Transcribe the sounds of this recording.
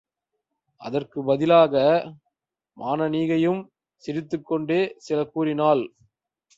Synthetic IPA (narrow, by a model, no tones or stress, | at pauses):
ʔɐ̰ðɐrkɯbɐðɪlaːɣɐ | mʔaːnɐniːɣɐjɯm | sɪɾɪt̪ːɯkːɔɳɖeːsɪlɐkːuːɾɪnaːl